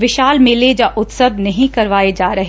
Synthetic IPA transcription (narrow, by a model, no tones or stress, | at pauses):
ʋɪʃaːlmeled͡ʒaːʔʊt̪səbnɐɦĩkɐɾʋaːed͡ʒaːɾɐɦ